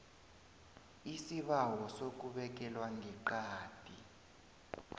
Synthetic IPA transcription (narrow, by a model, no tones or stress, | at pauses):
isiɓawɔsok̬ʼuɓɛk̬ɛlwaŋɡʱɛǃaːd̥ʱʼi